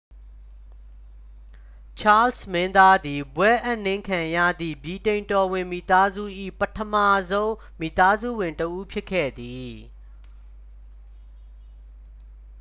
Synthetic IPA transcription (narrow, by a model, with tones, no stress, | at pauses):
t͡ɕʰa˦lsmɪ̃˦nd̪a˦d̪i˨bwɛ˦ʔa˦˨n̥ɪ̃˦ŋkʰã˨jä̰˦˨d̪ðḭ˦˨bji˨tẽ˨ɪ̃ntɔ˨wɪ̃˨mi˦˨t̪a˦zṵ˦˨ʔḭ˦˨pətʰəma˦˨zõ˦ʊ̃ | mi˦˨t̪a˦zṵ˦˨wɪ̃˨ntəʔu˦pʰjɪ˦kʰːɛ̰˦˨d̪i˨